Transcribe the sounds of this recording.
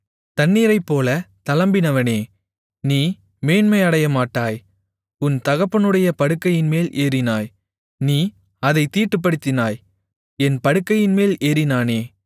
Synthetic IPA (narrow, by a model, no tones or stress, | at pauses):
t̪ɐnːiːɾɐɪpːoːlɐt̪ɐlɐmbɪnɐʋɐneː | niː | meːnmɐɪɐɽɐjɐmaːʈːaːj | ʊnt̪ɐɣɐpːɐnɯɽɐjɐpɐɽɯkːɐjɪnmeːlʔeːɾɪnaːj | niː | ɐðɐɪt̪ːiːʈːɯp̬ːɐɽɯt̪ːɪnaːj | ɛnpɐɽɯkːɐjɪnmeːleːɾɪnaːneː